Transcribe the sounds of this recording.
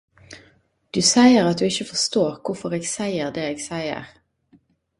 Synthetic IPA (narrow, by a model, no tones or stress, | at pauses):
d̪̥ʉːsæɪəʁɑt̪̚d̪ʉːɪçəfɔst̪oːʁkʰʊfɔʁeːɡsæɪəʁd̪eːeːɡsæɪə̰ʁ